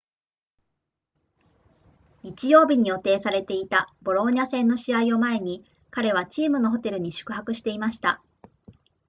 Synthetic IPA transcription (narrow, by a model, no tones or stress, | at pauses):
ɲit͡ɕijo̞ːbʲiɲ̟ijo̞t̪e̞ːsaɾe̞t̪e̞it̪abo̞ɾo̞ːɲasẽ̞nːo̞ɕiaio̞mae̞ɲ̟i | kaɾe̞β̞at͡ɕiːmɯno̞ɦo̞t̪e̞ɾɯ̟ɲ̟iɕɨ̥kɯ̟ɦakɯ̟ɕi̥t̪e̞imaɕi̥t̪a̰